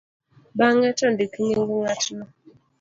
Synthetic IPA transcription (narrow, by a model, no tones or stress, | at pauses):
baŋatɔndikiɲeŋɡuŋatnɔ